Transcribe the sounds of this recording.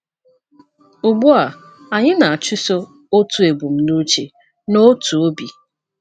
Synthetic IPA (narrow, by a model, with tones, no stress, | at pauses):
ʊ˨bu˦a˨ | a˨ɲɪ˦na˨a˨t͡ʃʊ˦so˦ | o˦tu˨e˨bu˨m̩˦nu˦t͡ʃe˨ | no˦tu˨o˦bi˨